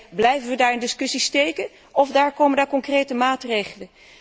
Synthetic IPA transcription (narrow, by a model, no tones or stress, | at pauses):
blɛjvənʋədaːɹɪndɪskɵsistejkən | ɔfdaːɹkowməndaːɹkɔŋkrejtəmaːtrejχələn